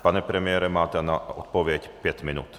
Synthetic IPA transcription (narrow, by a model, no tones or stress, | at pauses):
paɲɛpɾɛmɪɛɾɛmaːt̪ɛnaɔ̰t̪̚pɔʋjɛcpjɛcminṵːt̪